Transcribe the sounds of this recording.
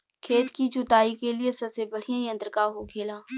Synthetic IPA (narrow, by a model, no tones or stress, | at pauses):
kʰeːt̪kit͡ʃʊt̪aːikeliesɐbsebɐɽ̤ijãjɐ̃nt̪ɾəkaɦoɡʰeːlaː